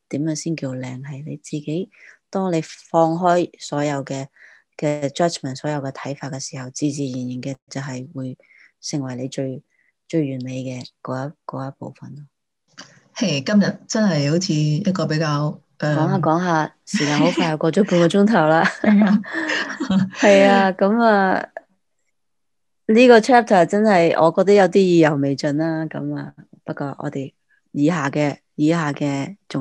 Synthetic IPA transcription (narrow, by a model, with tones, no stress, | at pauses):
t̪iː˨˥mjœː˨˥ŋsiː˥nkiː˧wlɛː˨ŋɦɐ˨jle˨˧jt͡siː˨ke˨˥jt̪ɔː˥ŋle˨˧jfɔː˧ŋɦɔː˥jsɔː˨˥jɐ˨˧wkɛː˧ | kɛː˧t͡ʃɐ˥t͡ʃmɛː˨˩nsɔː˨˥jɐ˨˧wkɛː˧t̪ʰɐ˨˥jfaː˧t̚kɛː˧si̥ː˨˩ɦɐ˨wt͡siː˧t͡siː˨jiː˨˩nji˨˩nkɛː˧t͡sɐ˨wɦɐ˨jwuː˨˧j | sɪ˨˩ŋwɐ˨˩jle˨˧jt͡ʃɵ˧ɥ | t͡ʃɵ˧ɥɥyː˨˩nme˨˧jkɛː˧kɔː˨˧˥jɐ˥kɔː˨˥jɐ˥po̰˨wfɐ˨nɔ˧ | he˥˩jkɐ˥mjɐ˨t̚t͡sɐ˥nhɐ˨jho˨˥wt͡sʰiː˨˧jɐ˥t̚kɔː˧pe˨˥jkaː˧w | ʔɛ˨kɔː˨˥ŋɦaː˨˧kɔː˨˥ŋɦaː˧siː˨˩kaː˧nho˨˥wfaː˧˥jɐ˨˧wkʷɔː˧t͡ʃɔː˨˥puː˧nkɔː˧t͡ʃʊ˥ŋt̪ʰɐ˨˩wlaː˧ | hɐ˨jaː˧kɐ˨˧˥ma̰ː˨˧ | liː˥kɔː˧t͡ʃʰɛː˥p̚t̪ʰɐ˨˩t͡sɐ˥nhɐ˨jʔɔ̰ː˨˧kɔː˧k̚t̪ɐ˥jɐ˨˧wt̪iː˥jiː˧jɐ˨˩wme˨jt͡ʃɵ˧naː˥kɐ̰˨˥maː˨ | pɐ˥t̚kɔː˧ʔɔ̰ː˨˧t̪e˨˩j | jiː˨˧ɦaː˨kɛː˧ | jiː˨˧ɦaː˨kɛː˧t͡sʊ˨